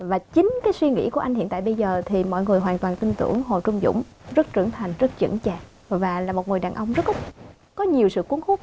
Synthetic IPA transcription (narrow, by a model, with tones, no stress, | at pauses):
vaː˨˩t͡ɕï˨˦ŋ̟kaː˨˦jswi˧ŋḭ˧˥ku˧˩əʔa˧j̟hḭ˧˨nt̪a̰ː˧˨jɓə˧jzəː˨˩t̪ʰi˨˩mɔ̰˧˨jŋɨ˨˩əjɦwaː˨˩nt̪waː˨˩nt̪i˧nt̪ɨ̰˧˩əŋɦo˨˩t͡ɕʊ˧ŋ͡mzʊ̰˧˥ŋ͡mzə˦˥t̚t͡ɕɨ˧˩əŋt̪ʰa˨˩jŋ̟zə˦˥t̚t͡ɕɨ̰˧˩nt͡ɕaː˨˩ | vaː˨˩laː˨˩mo˨˩t̚ŋɨ˨˩jɗaː˨˩nʔə˧wŋ͡mzə˦˥t̚ | kɔ˨˦ɲi˨˩əwsɨ̰˧˨ku˨˦ənxu˦˥t̚